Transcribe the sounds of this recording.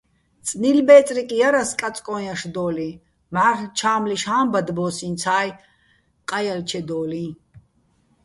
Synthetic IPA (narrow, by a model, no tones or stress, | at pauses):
t͡sʼnilbɛːt͡s̪ʼɾikʼijaɾaskʼat͡s̪ʼkʼɔːjaʃd̪ɔːli | maːrt͡ʃʰaːmliʃhaːmbad̪bɔːsint͡sʰaːj | qʼajalt͡ʃʰɛd̪ɔːlĩ